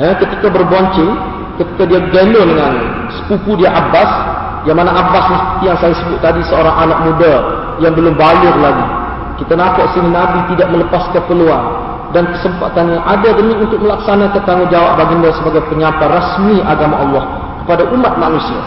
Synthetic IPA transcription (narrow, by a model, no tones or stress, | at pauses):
əkət̪ikabərboɲt͡ʃɪŋ | kət̪i̥kadiaɡɛndʊndəŋan̰ | sə̥pupudiaʔabas | jaŋmanaʔabaslaht̪ijaŋsajasəbʊt̪ːadisəoɾaŋʔanaʔ̚mũda | jaŋbəlʊmbalʊrlaɡi | kit̪anapaʔsininabit̪idaʔ̚mələpaskəpəluan | dankəsəmpat̪anɲaʔadadəmiunt̪ʊk̚məlaksanakant̪aŋʊd͡ʒawap̚baɡindasəbaɡajpəɲãparasmiʔaɡamaʔɑlːɔh | kə̥padaʔumat̪̚manũsia̰